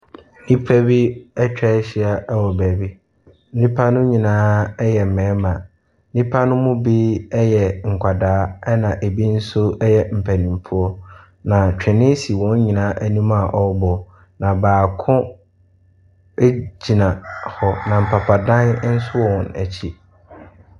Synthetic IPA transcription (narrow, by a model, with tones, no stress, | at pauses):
nĩ˦pʰæ˦bi˦ɛ˦t͡ɕᶣɛ˦ɕi˦a˦ɛ˦wɔ˨bæː˨bi˦ | n̩˦nĩ˦pʰa˦nʊ̃˦ɲĩ˨nãː˦jɛ˨m̩˨mɛ̃ː˨˦mã˨˦ | nĩ˦pʰa˦nʊ̃˦mʊ̃˦bi˦ɛ˦jɛ˨ŋ̩˨kʷʰa˨daː˦ɛ˦nã˨ʔe˨bi˦n̩˦sʊ˦ɛ˦jɛ˨m̩˨pʰæ˨nĩ˨m˨pʰu˦ɔ˦ | nã˨t͡ɕᶣɪ̃˨nɪ̃˦si˨wɔ̃˨˦ɲ˦ɲĩ˨nãː˨˦ʔæ˦nũ˦mã˦˨ʔɔ˦bɔ˨ | nã˨baː˨kʰʊ̃˦ | e˦d͡ʑi˨nã˨hɔ˨nã˨m̩˨pʰa˨pʰa˨dã˦n˦n̩˦sʊ˦wɔ˦˨wɔ̃˨næ̰˨t͡ɕʰi˦